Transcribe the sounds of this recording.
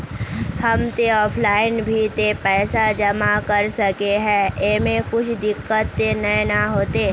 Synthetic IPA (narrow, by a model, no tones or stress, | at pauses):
hɐmt̪eɔːpʰlaːɪnbʱit̪epɛːsad͡ʒɐmakɐɾsɐkeɦɛ̃eːmẽkʊt͡ʃʰd̪ɪkːət̪ːenɐjnaɦoːt̪eː